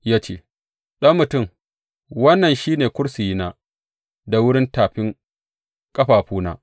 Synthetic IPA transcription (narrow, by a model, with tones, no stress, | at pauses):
jaː˦t͡ʃḛː˦˨ | ɗɐ˦mːʊ˨tʊ˦˨m | wɐ˦nːɐ˨nʃiː˦neː˨kʷʊ˦ɽsi˨ji˦naː˦ | da˨wʊ˦ɽɪ˦ntaː˨ɸɪ˦ŋ | kʼɐ˦ɸaː˨ɸuː˦na̰ː˦